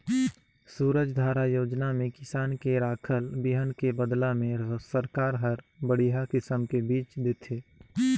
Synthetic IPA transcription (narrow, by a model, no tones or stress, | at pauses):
suːɾəd͡ʒd̪ʱaːɾajoːd͡ʒnamẽkɪsaːnkeɾaːkʰəlbɪɦənkebəd̪lamẽsəɾkaːɾɦəɾbəɽiɦakɪsəmkebiːt͡ʃd̪et̪ʰeː